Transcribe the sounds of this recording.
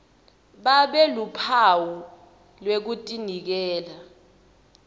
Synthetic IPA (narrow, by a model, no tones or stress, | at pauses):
ɓaɓɛlupʰawu | lwek̬utʼinik̬ɛːla